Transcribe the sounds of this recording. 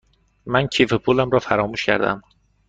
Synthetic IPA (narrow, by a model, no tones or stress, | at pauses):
mæncʰiːfepʰulæmɾɒːfæɾɒːmuːʃcʰæ̰ɾd̪æ̰m